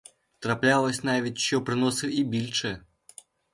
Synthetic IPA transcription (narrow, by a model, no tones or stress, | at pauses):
t̪ɾaplʲalˠəsʲnavʲetʲt͡ɕːɔpɾɨnɔsɨibʲilʲt͡ʂɛ